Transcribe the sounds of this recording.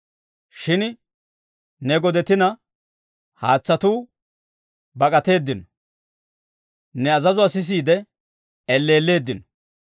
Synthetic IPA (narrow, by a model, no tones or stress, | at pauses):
ʃɪn | nɛɡɔd̪ɛt̪ɪnɐ | haːt͡sːɐt̪uː | bɐkʼɐt̪e̞ːd̪ːɪnɔ | nɛɐzɐzʊaːsɪs̬iːd̪ɛ | ɛlːe̞ːlːe̞ːd̪ːɪnɔ̥